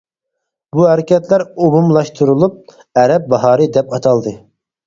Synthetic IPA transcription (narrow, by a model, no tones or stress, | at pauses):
buɦæɾɪkʲɛt̪læɾobumlˠɑʃt̪ʰuɾulˠup̚ | ɛɾɛp̚bɑɦɑːɾɨd̪ɛpɑt̪ʰɑlˠd̪ɨ